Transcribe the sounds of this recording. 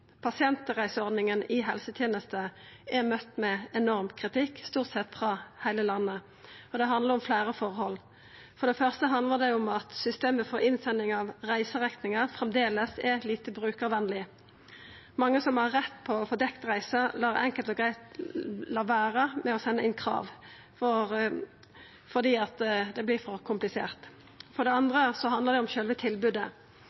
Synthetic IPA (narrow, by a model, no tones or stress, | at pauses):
pʰɑsɪɛnt̪əʁæɪsəɔʁd̪nɪŋənɪɦɛlsət̪ʰjeːnəst̪ə | æʁmœt̪ːmɛɛnɔʁmkʰʁɪt̪ɪkːst̪uːʁt̪sɛt̪ːfʁɑhæɪləlɑnːə | ɔd̪ɛɦɑnd̪ləʁʊmflæːʁəfɔʁhɔlː | fɔʁd̪ɛfœʁst̪əɦɑnd̪ləʁd̪ɛʊmɑt̪sʏst̪eːməfɔɾɪnsɛnːɪŋɑʋʁæɪsəʁɛk̪nɪŋəfʁɛmd̪eːləsɛʁliːt̪əbʁʉːkəʋɛnlɪ | mɑŋːəsɔmhɑːɛt̪ːpʰɔfɔd̪ɛkt̪ʁæɪsəlɑːɾɛ̰ŋkəlt̪ɔɡʁæɪt̪lɑʋæːɾəmɛɔsɛnːəɪnkʰɾɑ̰ːʋ | fɔɾ | fɔd̪iːɑt̪d̪ɛblɪfɔʁkʰʊmplɪsḛːʁt̪ | fɔɖ̪ɛɑnd̪ʁəsɔɦɑnd̪ləʁd̪ɛʊmçœlʋət̪ʰɪlbʉːd̪ə